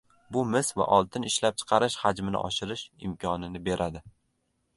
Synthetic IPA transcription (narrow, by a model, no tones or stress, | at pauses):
bʊmɪsva̰ʔɒlˠt̪ʰɪnɪʃlap̚t͡ʃʰɨ̥qʰɑɾɪʃhad͡ʒmɪnɪ̰ʔɒ̰ʃɪɾɪʃɪ̰mkʰɒnɪnɪbe̞ɾʔad̪ɪ